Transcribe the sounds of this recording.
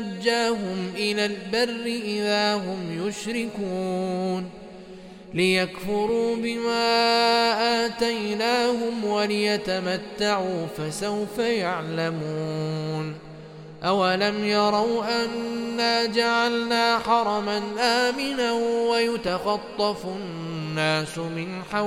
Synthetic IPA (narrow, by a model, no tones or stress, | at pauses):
ad͡ʒːaːɦʊmʔɪlaːlbarːɪʔɪðaːɦʊmjʊʃɾɪkuːn | lɪjakfʊɾuːbɪmaːʔaːt̪ajnaːɦʊmwalɪjat̪amat̪ːaʕuːfasawfajaʕlamuːn | ʔawalamjɑɾˤɑwʔanːaːd͡ʒaʕalnaːħɑɾˤɑmanʔaːmɪnawajʊt̪axɑt̪ˤːɑfʊ | nːaːsʊmɪnħaw